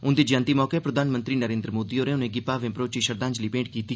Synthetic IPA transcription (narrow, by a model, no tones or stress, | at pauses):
ʊnd̪iːd͡ʒãːnt̪iːmɔːkepɾəd̪ʱaːnmənt̪ɾiːnəɾẽːnd̪ɾəmoːd̪iːoːɾẽːʊnẽːɡɪpaːʋẽːpɾoːt͡ʃiːʃəɾd̪ãːɲd͡ʒliːpẽːʈkiːt̪i